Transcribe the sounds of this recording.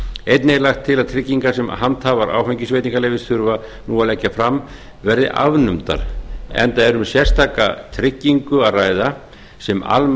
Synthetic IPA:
ejt̪nejɾlaxt̪ʰːɪlaðt̪ʰɾɪcːiŋkasɛmhant̪havaɾʔa̰ːwfɛɲcɪsveːjt̪iŋkalejvɪsθʰʏɾva | nuːalɛcːafɾamː | vɛɾðɪ̰ʔa̰vnʏmt̪a̰ɾɛ̰nt̪aðɛɾʏmsjɛr̥st̪ʰaːka̰t̪ʰɾɪcːiŋkʏaðraːjða | sɛma̰l

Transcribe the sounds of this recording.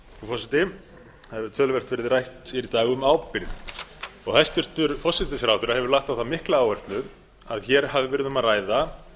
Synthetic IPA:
fɔsɪt̪ɪ | hɛvɪt̪ʰœːlvɛr̥t̪vɪɾɪðɪrajht̪iɾit̪aːɣʏmaːwpɪɾðɔɣhɛjst̪ʏr̥t̪ʏɾfɔsːɪt̪ɪsɾawt̪ʏɾahɛvʏɾlaxt̪awθamɪhklaaːwvɛr̥t̪lʏ | aðçɛɾ̥havɪvɛɾɪðʏmaðraːjða

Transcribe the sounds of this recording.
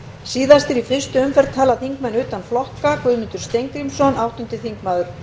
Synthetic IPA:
siːðast̪ɪɾifɪst̪ʏʏmfɛɾt̪ʰːaːlaθiŋkmɛnʏːt̪anflɔhkakvʏðmɪnt̪ʏɾ̥st̪ejŋkɾimsɔnawht̪ʏnt̪ɪθiŋkmaːðʏɾ̥

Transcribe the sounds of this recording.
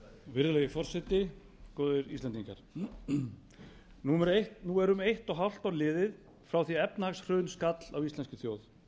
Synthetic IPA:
vɪɾðʏlɛɣɪfɔr̥sɛt̪ɪ | kɔːðɪɾḭst̪ɛnt̪iŋka̰ɾ̥ | numɛɾeht̪nuɛɾʏmejht̪ɔɦawl̥t̪aɾlɪːðɪð | fɾawθiɛpnahaksr̥œːnskat̪l̥awist̪lɛnscɪθjoːwθ

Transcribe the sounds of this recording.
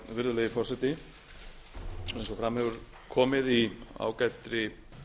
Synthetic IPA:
vɪɾðʏlɛːjðɪfɔr̥sɛt̪ɪ | sɔɛnsɔfɾaːmhɛvʏɾ | kʰɔːmɪðia̰ːwkajt̪ɾɪ

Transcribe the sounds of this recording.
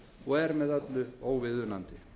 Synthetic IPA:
ɔɛɾmɛðat̪lʏoːwvɪðʏnant̪ɪ

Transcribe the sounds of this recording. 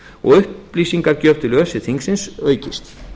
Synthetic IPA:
ɔ̰ɣʏhpːliːsiŋkaɾcœɾt̪ʰɪlœːsɪθiŋksɪnsœːɥcɪst̪

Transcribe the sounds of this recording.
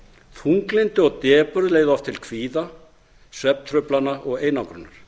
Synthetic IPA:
θʰuŋklɪnt̪ɪɔɣt̪ɛːpʏɾðleːjɣðʏɔft̪ʰɪlkʰviːða | svɛpnt̪ʰɾʏplanːaʔɔɣeːjnawkɾʏnːaɾ̥

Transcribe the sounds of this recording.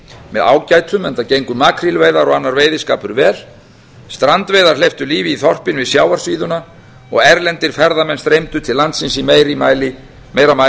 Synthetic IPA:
mɛða̰ːwcaːjt̪ʰʏmɛnt̪acejŋkʏmaːkʰɾilveːjðaɾɔɣanːaɾveːjðɪska̰ːpʏɾvɛːɾ̥ | st̪ɾant̪veːjðaɾ̥lejft̪ʏliːvɪiθɔr̥pɪnvɪðsjaːwaɾ̥sviːðʏna | ɔ̰ɣɛɾlɛnt̪ɪɾ̥fɛɾðamɛnst̪ɾejmt̪ʏt̪ʰɪllːant̪sɪnsimeːjɾɪma̰ːjlɪ | meːjɾama

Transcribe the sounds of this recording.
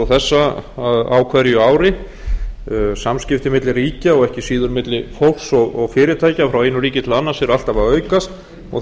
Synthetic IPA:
θɛsːaaða̰wkʰvɛɾjʏaːwɾɪ | samscɪft̪ɪmɪt̪lɪriːcaɔɣɛhcɪsiːðʏɾmɪt̪lɪfowlsɔɣɔɣfɪːɾɪt̪ʰaːjcafɾawejnʏɾiːcɪt̪ʰɪlanːasɛɾal̥t̪avaœɥkast̪ | ɔ

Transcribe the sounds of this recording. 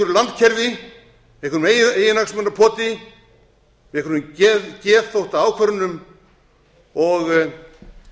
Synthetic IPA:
ʏɾʏlant̪̚cʰɛɾvɪ | vɪ̥kʏnmeejɪnaksmɛnɾapʰɔːt̪ɪ | vɪ̥kʰɾnʏmcɛːɾθowht̪aaːwkʰvœɾʏnʏm | ɔɣ

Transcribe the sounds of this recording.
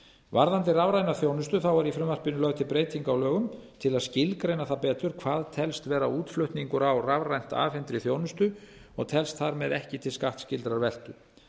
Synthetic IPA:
vaɾðant̪ɪravɾajnaθjownʏst̪ʏθawɛɾifɾʏmvar̥pɪnʏlœɣt̪ʰɪlpɾeːjt̪iŋkawlœːɣʏmt̪ʰɪlaðscɪlkɾejnaθapɛːt̪ʏɾ̥kʰv̥aːðt̪ʰɛlst̪vɛːɾauːt̪flœɥht̪niŋkʏɾawravrajn̥t̪a̰ːfɛnt̪ɾɪθjoːwnʏst̪ʏɔɣt̪ʰɛlst̪θaɾmɛðɛhcɪt̪ʰɪlskaht̪scɪlt̪ɾaɾvɛl̥t̪ʏ

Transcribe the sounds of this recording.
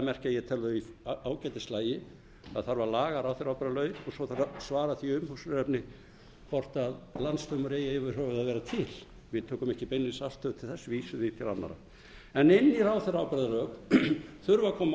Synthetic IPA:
mɛr̥cajɛt̪ʰɛlʏðʏiaːwcɛjt̪ɪslaːjɪ | aðθaɾvaɾlaːɣaɾawθɛɾawpɾðalœːɥɾɔsɔθaɾasvaːɾaθiʏmhusɾɛpnɪ | fɔr̥t̪aðlant̪st̪œwmʏɾeːjaɛvʏɾ̥hœːvɪðaðvɛːɾat̪ʰɪl | vɪðt̪ʰuːkʏmɛhcɪpejnːɪsal̥t̪œt̪ʰɪlθɛsːviːsʏðɪt̪ʰɪla̰nːa̰ɾa̰ | ɛnɪnːɪɾawθɛɾawpɾɛðalœːkθʏɾvakʰɔːma

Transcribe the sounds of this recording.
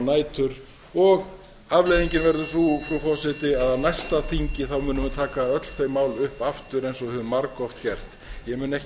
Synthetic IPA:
naːjt̪ʰʏɾ | ɔɣ | avlejðiɲcɪnvɛɾðʏθufɾufɔsɪt̪ɪaðawnajst̪aθiɲcɪθawmʏːnʏmhʏnt̪ʰaːkaœt̪l̥θejmaːwlʏhpaft̪ʏɾejnsɔhʏːvʏmːaɾkɔft̪cɛr̥t̪ | jɛmʏːnɛhc

